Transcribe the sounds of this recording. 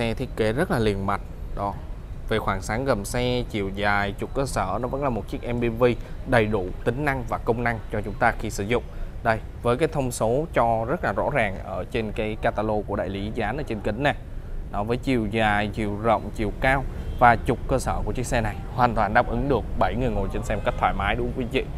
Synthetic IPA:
sɛ˧t̪ʰi˦˥ət̚ke˨˦zə˦˥t̚laː˨˩li˨˩ənma˨˩jt̚ɗɔ˨˦ | ve˨˩xwaː˧˩ŋsaː˨˦ŋɣə˨˩msɛ˧t͡ɕi˨˩əwzaː˨˩jt͡ɕʊ˨˩k͡p̚kəː˧səː˧˩nɔ˨˦və̰˧˥nlaː˨˩mo˨˩t̚t͡ɕi˦˥k̚ʔɛ˧mɓi˧nvi˧ɗə˨˩jɗu˧˩t̪ï˨˦ŋ̟na˧ŋvaː˨˩kə˧wŋ͡mna˧ŋt͡ɕɔ˧t͡ɕʊ˨˦ŋ͡mt̪aː˧xi˧sɨ̰˧˩zʊ̰˧˨ŋ͡mɗə˧j | vəː˨˦kaː˨˦jt̪ʰə˧wŋ͡mso˨˦t͡ɕɔ˧zə˦˥t̚laː˨˩zɔ̰˧˥zaː˨˩ŋʔəː˧˩t͡ɕe˧nkaː˨˦jkaː˧t̪aː˧lo˧ku˧˩əɗa̰ː˧˨jli˨˦zaː˨˦nʔəː˧˩t͡ɕe˧nkï˨˦ŋ̟na˨˩nɔ˨˦vəː˨˦jt͡ɕi˨˩əwzaː˨˩jt͡ɕi˨˩əwzə̰˧˨wŋ͡mt͡ɕi˨˩əwkaː˧wvaː˨˩t͡ɕʊ˨˩k͡p̚kəː˧səː˧˩ku˧˩ət͡ɕək̚sɛ˧na˨˩jhwaː˨˩nt̪waː˨˩nɗaː˨˧p̚ʔɨ˨˦ŋɗɨ˨˩ək̚ɓə˧˩jŋɨ˨˩əjŋo˨˩jt͡ɕe˧nsɛ˧mo˨˩kk̚t̪ʰwaː˧˩jmaː˨˦jɗʊ˨˦kwi˨˦vḭ˧˨

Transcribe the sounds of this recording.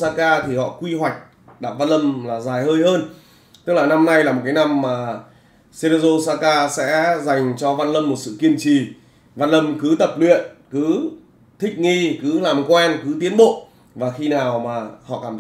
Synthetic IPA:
saː˧kaː˧t̪ʰi˨˩hɔ̰˧˨kwi˧hwa˨˩jk̟̚ | ɗaː˧˩p̚va˧nlə˧mlaː˨˩zaː˨˩jhəː˧jɦəː˧n | t̪ɨ˦˥k̚laː˨˩na˧mna˧jlaː˨˩mo˨˩t̚kaː˨˦na˧mːaː˨˩ | se˧ɾe˧zo˧saː˧kaː˧sɛ̰˧˥za˨˩jŋ̟t͡ɕɔ˧va˧nlə˧mːo˨˩t̚sɨ̰˧˨ki˧ənt͡ɕi˨˩ | va˧nlə˧mkɨ˨˦t̪ə˨˩p̚lwḭ˧˨ənkɨ˨˦ | t̪ʰï˦˥k̟̚ŋi˧kɨ˨˦laː˨˩mkwɛ˧nkɨ˨˦t̪i˨˦ənɓo̰˧˨ | vaː˨˩xi˧naː˨˩wmaː˨˩hɔ̰˧˨kaː˧˩t̪ʰ

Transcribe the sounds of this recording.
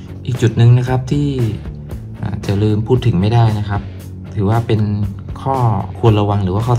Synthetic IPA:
ʔiː˨˩k̚t͡ɕu˨˩t̪̚nɯ˨ŋna˦˥kʰa˦˥p̚t̪ʰiː˥˩ | ʔa̰ː˨˩t͡ɕa˨˩lɯː˧mpʰuː˥˩t̪ʰːɯ˩˦ŋma˥˩jdaː˥˩jna˦˥kʰa˦˥p̚ | t̪ʰɯː˩˦waː˥˩pe˧nkʰɔː˥˩kʰu˧ənɾa˧wa˧ŋɾɯː˩˦waː˥˩kʰɔː˥˩

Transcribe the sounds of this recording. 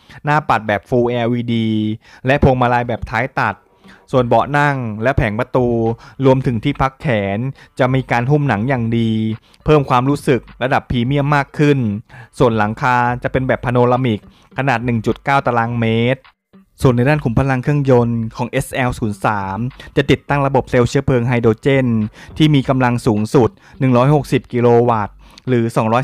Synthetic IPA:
naː˥˩pa˨˩t̪̚bɛː˨˩p̚fuː˧ʔɛː˧wiː˧diː˧lɛ˦˥ʔpʰoː˧ŋmaː˧laː˧jbɛː˨˩p̚t̪ʰaː˦˥jt̪a˨˩t̪̚ | su˨˩ənbɔ˨˩ʔna˥˩ŋlɛ˦˥pʰɛː˩˦ŋpa˧t̪uː˧ɾu˧əmt̪ʰɯ˩˦ŋt̪ʰiː˥˩pʰa˦˥kʰːɛː˩˦nt͡ɕa˨˩ʔmiː˧kaː˧nɦu˥˩mna˩˦ŋjaː˨˩ŋdiː˧ | pʰɤː˥˩mkʰwaː˧mɾuː˦˥sɯ˨˩k̚ɾa˧da˨˩pʰːiː˧mi˥˩əmːaː˥˩kʰːɯ˥˩nsu˨˩ənla˩˦ŋkʰaː˧t͡ɕa˨˩pe˧nbɛː˨˩pʰːa˧noː˧ɾa˧mi˨˩kʰː | a˧naː˨˩t̪̚nɯ˨˩ŋt͡ɕu˨˩t̪̚kaː˥˩wt̪a˧laː˧˥nmeː˦˥t̪̚ | su˨˩ənːa˧jdaː˥˩nkʰu˩˦mpʰa˧la˧ŋkʰɯ˥˩əŋjo˧nkʰɔː˩˦ŋʔe˦˥sʔɛː˧wsuː˩˦nsaː˩˦mt͡ɕa˨˩t̪i˨˩t̪ːa˥˩ŋɾa˧bo˨˩p̚seː˧wt͡ɕʰi˦˥əpʰɤː˧ŋɦaː˧jdoː˧t͡ɕe˥˩nt̪ʰiː˥˩miː˧ka˧mla˧ŋsuː˩˦ŋsu˨˩t̪̚nɯ˨˩ŋɾɔː˦˥jho˨˩k̚si˨˩p̚ki˧loː˧waː˨˩t̪̚ | ɾɯː˩˦sɔː˩˦ŋɾɔː˦˥

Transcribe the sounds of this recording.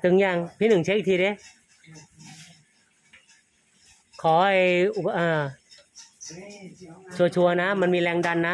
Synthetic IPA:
t̪ɯ˧˩ŋjaː˧˩ŋpʰiː˦˥nɯ˨˩ŋt͡ɕʰa˦˥ʔ̚t̪ʰiː˧ɾe˧˦ | kʰɔː˩˦ʔa˧˩ju˨˩ʔɤː˧˩ | t͡ɕʰu˧ɐt͡ɕʰu˧ɐna˦˥ma˧nmiː˧lɛː˧ŋda˧nːa˦˥

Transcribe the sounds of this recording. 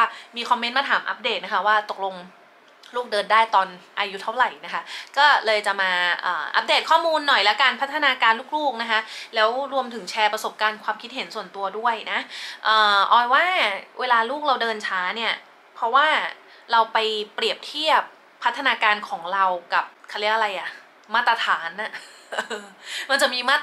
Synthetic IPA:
miː˧kʰɔ˧mːe˦nmaː˧t̪ʰaː˩˦mʔa̰˦˥p̚deː˨˩t̪̚na˦˥kʰa˦˥waː˥˩t̪o˨˩k̚lo˧ŋ | luː˥˩k̚dɤː˧ndaː˥˩jt̪ɔː˧nʔaː˧ju˦˥t̪ʰa˥˩wɾa˨˩jna˦˥kʰa˦˥kɔː˥˩lɤː˧jt͡ɕa˨˩ʔmaː˧ʔɤː˨˩ʔa̰˦˥p̚deː˨˩t̪̚kʰɔː˥˩muː˧nːɔ˨˩jlɛ˦˥kaː˧npʰa˦˥t̪ʰːa˧naː˧kaː˧nluː˥˩k̚luː˥˩k̚na˦˥kʰa˦˥ʔlɛː˦˥wɾu˧əmt̪ʰɯ˩˦ŋt͡ɕʰɛː˧pɾa˧so˨˩p̚kaː˧nkʰwaː˧mkʰi˦t̪̚ɦe˩˦nsu˨˩ənt̪u˧ɐdu˥˩əjna˦˥ʔʔɤː˨˩ʔɔː˨˧˩jwaː˥˩wʔeː˧laː˧luː˥˩k̚ɾa˧wdɤː˧nt͡ɕʰaː˦˥ni˥˩ɐ | pʰɾɔ˦˥waː˥˩ | ɾa˧wpa˧jɾi˨˩əp̚t̪ʰi˥˩əp̚ʰː | t̪ʰːa˧naː˧kaː˧nkʰɔː˩˦ŋɾa˧wka˨˩p̚kʰa˧li˦˥˦ʔɾa˧jʔa˨˩ʔ | maː˥˩t̪ːɾa˧t̪ʰaː˩˦nʔa˨˩ | ʔɤː˧ma˧nt͡ɕa˨˩miː˧maː˥˩

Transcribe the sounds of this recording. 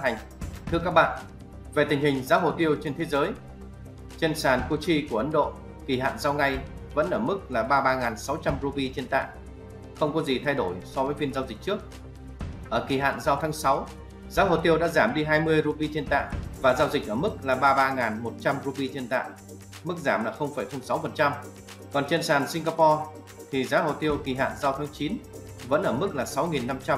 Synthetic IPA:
a˨˩jŋ̟ | t̪ʰɨ˧əka˦˥k̚ɓa̰ː˧˨n | ve˨˩t̪ï˨˩ŋ̟hï˨˩ŋ̟zaː˨˦ɦo̰˨˩t̪i˧əwt͡ɕe˧nt̪ʰe˨˦zəː˨˦j | t͡ɕe˧nsaː˨˩nko˧t͡ɕi˧ku˧˩əʔə˨˦nɗo̰˧˨ | ki˧˩ɦa̰ː˧˨nzaː˧wŋa˧jvə̰˧˥nʔəː˧˩mɨ˦˥k̚laː˨˩ɓaː˧ɓaː˧ŋaː˨˩nsa˨˦wt͡ɕa˧mɾu˧vi˧t͡ɕe˧nt̪a̰ː˧˨ŋ | xə˧wŋ͡mkɔ˨˦zi˨˩t̪ʰa˧jɗo˧˩jsɔ˨˦vəː˨˦jfi˧nzaː˧wzk̚t͡ɕɨ˦˥ək̚ | ʔəː˧˩ki˧˩ɦa̰ː˧˨nzaː˧wt̪ʰaː˨˦ŋsa˨˦w | zaː˨˦ɦo̰˨jt̪i˧əwɗa̰ː˧˥zaː˧˩mɗi˧ɦaː˧jmɨ˧əjɾu˧pi˧t͡ɕe˧nt̪a̰ː˧˨ŋvaː˨˩zaː˧wzï˨˩k̟̚ʔəː˧˩mɨ˦˥k̚laː˨˩ɓaː˧ɓaː˧ŋaː˨˩nmo˨˩t̚t͡ɕa˧mɾu˧ɓi˧t͡ɕe˧nt̪a̰ː˧˨j | mɨ˦˥k̚zaː˧˩mlaː˨˩xə˧wŋ͡mfaː˧˩jxə˧wŋ͡msa˨˦wfə˨˩nt͡ɕa˧m | kɔ˨˩nt͡ɕḛ˧˨nsaː˨˩nsi˧ŋɣaː˧pɔ˧ | t̪ʰi˨˩zaː˨˦ɦo̰˨˧˨t̪i˧əwki˨˩ɦa̰ː˧˨nzaː˧wt̪ʰaː˨˦ŋt͡ɕi˨˦n | və̰˧˥nʔəː˧˩mɨ˦˥k̚laː˨˩sa˨˦wŋi˨˩nːa˧mt͡ɕa˧

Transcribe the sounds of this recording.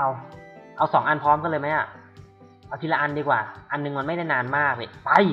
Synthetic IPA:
ʔa˧wʔa˧wsɔː˩˦ŋʔa˧npʰɔː˦˥mkɔː˥˩lɤː˧jma˦˥jʔa˨˩ʔ | ʔa˧wt̪ʰi˧laː˧ʔa˧ndiː˧kwaː˨˩ʔa˧nːɯ˧ŋmaː˧nma˥˩jda˥˩jnaː˧nmaː˥˩k̚a˧˩pa˧˩j

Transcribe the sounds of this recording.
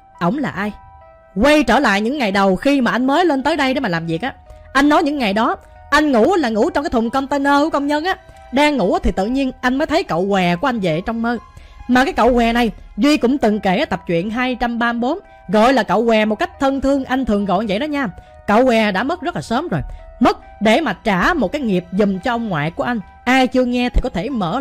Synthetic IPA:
ʔə̰˧˩wŋ͡mlaː˨˩ʔaː˧j | ɣwə˧jt͡ɕəː˧˩la̰ː˧˨jɲɨ̰˧˥ŋːa˨˩jɗə˨˩wxi˧maː˨˩ʔa˧jŋ̟məː˨˦jle˧nt̪əː˨˦jɗə˧jɗe˧˦maː˨˩laː˨˩mvi˨˩ək̚ʔaː˨˦ʔa˧jŋnɔ˨˦jɲɨ̰˧˥ŋːa˨˩jɗɔ˨˦ | ʔa˧jŋ̟ŋṵ˧˥˦laː˨˩ŋṵ˧˥t͡ɕɔ˧ŋ͡mkaː˨˦t̪ʰŋ͡mkə˧nt̪ə˧nəː˧˦kə˧wŋ͡mɲə˧nʔaː˨˦ | ɗaː˧ŋːṵ˧˥˦t̪ʰi˨˩t̪ɨ̰˧˨ɲi˧ənʔa˧jŋ̟məː˨˦jt̪ʰə˨˦jkə̰˧˨wkwɛ˨˩ku˧˩˦ʔa˧jŋ̟zḛ˧˨t͡ɕɔ˧wŋ͡mməː˧ | maː˨˩kaː˨˦jkə̰˧˨wkwɛ˨˩na˨˩jzwi˧kʊ̰˧˥ŋ͡mt̪ɨ˨˩ŋke˧˩˦t̪ə˨˩p̚t͡ɕwḭ˧˨ənɦaː˧jt͡ɕa˧mɓaː˧mɓo˨˦n | ɣɔ̰˧˨jlaː˨˩kə̰˧˨wkwɛ˨˩mo˨˩t̚ka˦˥jk̚t̪ʰə˧nt̪ʰɨ˧əŋʔa˧jŋt̪ʰɨ˨˩əŋɣɔ̰˧˨jvə̰˧˨jɗɔ˨˦ɲaː˧ | kə̰˧˨wkwɛ˨˩ɗa̰ː˧˥mə˦˥zə˦˥t̚laː˨˩səː˨˦mzo˨˩jmə˦˥t̚ | ɗe˧˩maː˨˩t͡ɕaː˧˩mo˨˩t̚kaː˨˦jŋi˨˩əp̚zʊ˨˩ŋ͡mt͡ɕɔ˧ʔə˧wŋ͡mŋwa̰ː˧˨jku˧˩əʔa˧jŋ̟ | ʔaː˧jt͡ɕɨ˧əŋɛ˧t̪ʰi˨˩kɔ˨˦t̪ʰe˧˩mə̰ː˧˩

